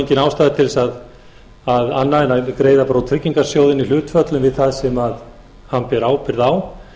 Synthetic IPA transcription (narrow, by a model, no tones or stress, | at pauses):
ɲcɪnaːwst̪ajðɪt̪ʰɪlsað | aðanːaɪnakɾeːjðapɾawt̪ʰɾɪcːiŋkaɾ̥sjoːwðɪnilʏːt̪fœt̪lʏnvɪðθaðsɛmað | hanpɛɾaːwpɪɾðaːw